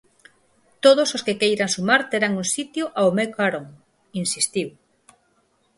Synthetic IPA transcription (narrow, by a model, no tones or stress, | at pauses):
t̪oð̞ososkekejɾaŋsumaɾt̪eɾaŋuŋsit̪joʔaomekaɾoŋ | insist̪iw